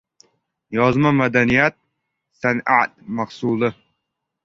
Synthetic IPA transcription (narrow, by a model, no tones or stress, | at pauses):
jɒzmamad̪anijat̪̚ | sana̰t̪̚maqsuːlˠɨ